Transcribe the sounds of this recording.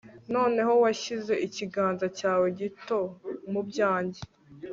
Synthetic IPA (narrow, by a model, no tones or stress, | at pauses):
no̞ːne̞ɦo̞waʃize̞ʔiciɡaːnzacaːwe̞ɟito̞mubɟaːɲɟe